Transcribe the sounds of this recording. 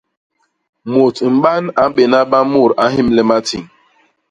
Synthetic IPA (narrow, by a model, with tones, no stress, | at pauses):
mo˨tŋ͡m̩˨ɡ͡ba˦n̩˦a˨m̩˦be˨na˦ba˦mʊ˦˨ɾa˦ɦɪ˦m̩˦le˦ma˦ti˨ŋ̩˨